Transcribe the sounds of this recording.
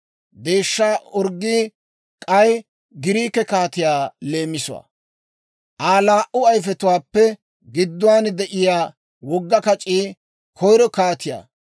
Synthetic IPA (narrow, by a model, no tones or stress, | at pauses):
d̪e̞ːʃːaːɔɾɡːi | kʼɐj | ɡɪɾiːkɛkaːt̪ɪjaːle̞ːmːɪsʊwa̰ | ʔaːlaːʔʊɐjfɛt̪ʊwaːpːɛ | ɡɪd̪ːʊwaːnd̪ɛʔɪjaː | wɔɡːɐkɐt͡ʃʼiː | kʰɔjɾɔkaːt̪ɪja̰ː